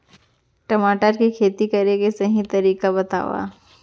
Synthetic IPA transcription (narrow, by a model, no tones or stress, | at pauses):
ʈɐmaːʈəɾkikʰeːt̪ikɐɾekesɐɦĩt̪ɐɾiːkabɐt̪a̰ːʋa̰ː